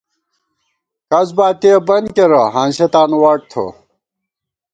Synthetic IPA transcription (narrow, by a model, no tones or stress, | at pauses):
kɐzbaːt̪iɐbɐnkeɾɐɦanɕet̪aːnwaʈ̚t̪ʰo̰